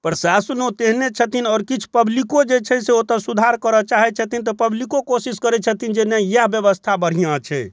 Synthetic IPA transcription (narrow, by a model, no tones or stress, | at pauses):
pəɾsasənot̪eɦnet͡ʃʰət̪inɔːɾkit͡ʃʰu̥pəblikod͡ʒet͡ʃʰɛseot̪əsud̪ʱaɾkəɾɔt͡ʃaɦɛt͡ʃʰət̪int̪ɔpəblikokosiskəɾɛt͡ʃʰət̪ʰind͡ʒenɛjaɦbjəβəst̪ʰabəɽ̤ijãt͡ʃʰɛ